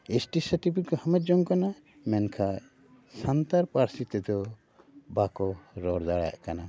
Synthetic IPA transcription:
esʈisəɾʈipʰikɔhəmɛt̪̚d͡ʒɔŋkana | mɛnkʰa | sant̪aɾpaɾsit̪ɛd̪ɔ | bakɔɾɔɾd̪aɽaja̰ʔkana

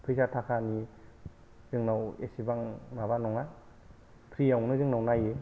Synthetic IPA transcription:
pʰɯjsatʰakʰani | zɯŋnawḛsibaŋmaβanɔŋa | pʰɾijawnɯzɯŋnawnaje

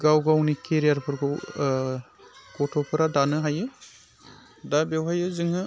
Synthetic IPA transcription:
ɡawɡawnikeɾijaɾpʰɯɾkʰɔ | kɔtʰɔpʰɯɾadanɯɦajɯ | dabewɦajɯzɯŋɦɯ

